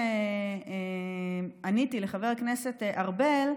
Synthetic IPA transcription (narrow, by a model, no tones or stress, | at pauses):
ee | anitileχave̞ʁkne̞set̪eʔaʁbel